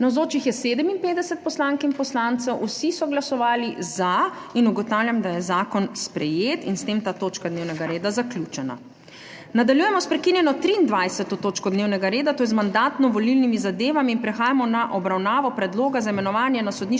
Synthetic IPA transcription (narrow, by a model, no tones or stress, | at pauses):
nawzoːt͡ʃixjɛseːd̪əminpeːd̪ɛsɛt̪̚pɔslaːŋkinpɔslaːnt̪sɛwʔusisɔɡlasɔʋaːlizainuɡɔt̪awljamd̪ajɛzaːkɔnspɾɛjeːt̪inst̪emt̪aːt̪oːt͡ʃkad̪neːwnɛɡaɾeːd̪azaklʲut͡ʃɛna̰ | nad̪aljuːjɛmɔspɾɛkinjɛnɔt̪ɾiːnd̪ʋajsɛt̪ɔt̪oːt͡ʃkɔd̪neːwnɛɡaɾeːd̪at̪oːjɛzmand̪aːt̪nɔʋɔlilnimizad̪eːʋamiːnpɾɛxaːjamɔnaʔɔbɾawnaːʋɔpɾɛd̪loːɡazaimɛnɔʋaːnjɛnasɔd̪niʃ